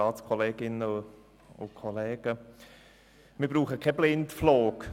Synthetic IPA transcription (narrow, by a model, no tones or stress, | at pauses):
ɑːt͡skʰɔleːɡɪnəʊ | ʊ̰kʰɔlɛːɡ̥ə | mɪːb̥ɾuːχəkʰɛblɪntfloːk